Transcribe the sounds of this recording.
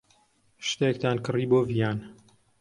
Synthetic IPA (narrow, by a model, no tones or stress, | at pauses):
ʃt̪ek̚t̪aːnkɨriːboːvijaːn